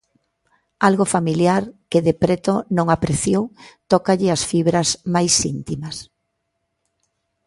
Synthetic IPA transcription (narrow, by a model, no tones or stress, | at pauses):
alɣofamiljaɾkɪðepɾet̪onõŋapɾeθjowt̪ɔkaʎɪasfiβɾazmajsint̪imɐs